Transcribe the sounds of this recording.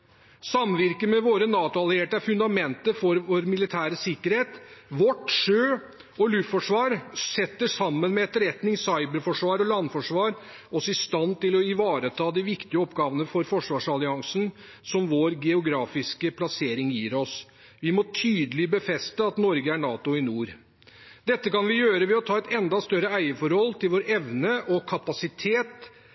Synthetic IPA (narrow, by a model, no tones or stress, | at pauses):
sɑmʋɪɾkəmɛʋoːɾənɑːt̪ʊɑlɪeːʈəæɾfʉnd̪ɑmɛnt̪əfɔɾʋoɾmɪlɪt̪ʰæːɾəsɪkːəɾheːt̪ʋɔʈʂøː | ɔlʉffɔʂʋɑːɾsɛt̪ːəʂɑmːənmɛɛt̪ɾɛt̪nɪŋsɑɪbəɾfɔʂʋɑːɾɔlɑnfɔʂʋɑːɾ | ɔsɔɪst̪ɑnt̪ɪlɔɪʋɑːɾət̪ʰɑːd̪ɪʋɪkt̪ɪəɔpɡɑːʋənəfɔɾfɔʂʋɑːʂɑlɪɑŋsn̩ | sɔmʋoːɾɡɛʊɡɾɑːfɪskəpʰlɑseːɾɪŋjiːɾɔs | ʋɪmɔt̪ʰyːd̪əlɪbəfɛst̪əɑt̪nɔɾɡəæɳɑːt̪ʊɪnuːɾ | d̪ɛt̪ːəkɑnʋɪjøːɾəʋɛɔt̪ʰɑːɛt̪ɛnd̪ɑst̪œɾəæɪəfɔɾhɔlːt̪ɪlʋoːɾɛʋnəʔɔkʰɑpɑsɪt̪ʰeːt̪